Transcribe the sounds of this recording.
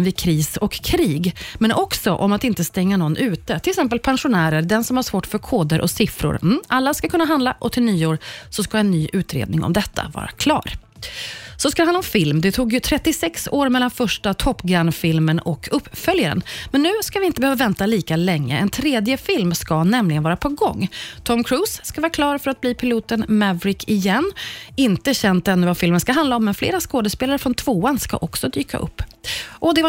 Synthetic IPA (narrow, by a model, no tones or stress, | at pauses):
vɪkʰɾiːsɔkʰːɾiːɡmɛnʔɔksɔʔɔmat̪ɪnt̪əst̪ɛŋːanɔnːʔʉ̟ːt̪ət̪ʰɪlsɛmp̬əlpʰɛnʂʊnæːɾəɾd̪ɛnsɔmhaʂvoːʈfœɾkʰoːd̪əɾʔɔ̰sɪfɾʊ̰ɾʔalːaskakʰɵnːaɦand̪laʔɔt̪ʰɪlnyːoːɾsɔskaɛnːyːʔʉ̟ːt̪ɾḛːd̪nɪŋɔ̰md̪ɛt̪ʰːa̰vɑ̰ːɾa̰kʰlɑ̰ːɾ | sɔskad̪ɛhanaɔmfɪlmd̪ɛt̪ʰuːɡjɵt̪ʰɾɛt̪ːɪsɛksoːɾmɛlːanfœʂʈat̪ʰɔpːɡɾanfɪlmənɔkʰɵpːfœljaɾə̰nmɛnːʉ̟ːskavɪɪnt̪əbɛhøːvavɛnt̪aliːkalɛŋːə̰ʔɛnt̪ʰɾeːd̪jəfɪlmskanɛmlɪɡənvɑːɾapʰɔɡɔ̰ŋːt̪ʰɔmkʰɾuːsːkavɑːɾakʰlɑːɾfœɾat̪̚bliːpʰɪluːt̪ənmɛvɾɪkʰɪjɛnːɪnt̪əɕɛnt̪̚d̪ɛnːʉvafɪlmənskaɦand̪laɔmːɛnflḛːɾaskoːd̪əspeːlaɾəfɾɔnt̪ʰvoːanska̰ʔɔksɔd̪yːka̰ʔɵ̰pːʔɔd̪ɛva